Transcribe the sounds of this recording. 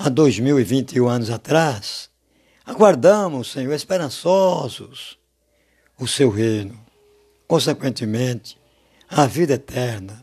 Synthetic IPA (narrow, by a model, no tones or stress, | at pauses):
ad̪ojzmiwɪvĩnt̪iũɐ̃nʊzat̪ɾas | aɡwaɾd̪ɐ̃mʊsːẽɲoɾespeɾɐ̃sɔzʊs | ʊsewɦejnʊ | kõsɛkwẽnt̪ɪmẽt̪ɪ̥ | ɐvid̪ɐɛt̪ʰɛɾnɐ